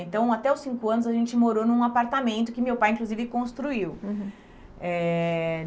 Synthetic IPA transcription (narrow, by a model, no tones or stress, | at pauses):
ẽnt̪ɐ̃w̃at̪ɛawsĩŋkʊɐ̃nʊzaʒẽnt͡ʃɪmoɾonũũapaɾt̪amẽnt̪ʊkɪmewpajĩŋkluzivɪkõst̪ɾuiw | ɛ